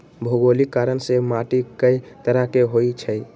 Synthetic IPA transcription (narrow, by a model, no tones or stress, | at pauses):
bʱoɡolikaɾənsemaʈikəit̪əɾakeɦoit͡ʃʰəj